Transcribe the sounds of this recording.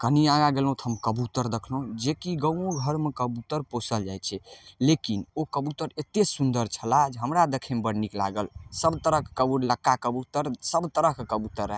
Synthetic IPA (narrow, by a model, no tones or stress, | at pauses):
kəniaɡaɡelɦũt̪ʰəmkəbut̪əɾd̪ekʰlod͡ʒekiɡəõɡʱəɾmekəbut̪əɾposəld͡ʒajt͡ʃʰɛlekinokəbut̪əɾet̪esund̪əɾt͡ʃʰəlad͡ʒɦəmɾad̪ekʰemebəɽnikla̰ɡəlsəbt̪əɾəkkəbuɾləkːakəbut̪əɾsəbt̪əɾəɦkekəbut̪əɾə